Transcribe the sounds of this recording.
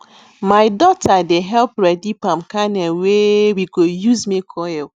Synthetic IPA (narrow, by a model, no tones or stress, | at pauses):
maɪdɔtadeɦɛlpɾɛdipamkanɛlwewiɡojuzmekʰɔɛl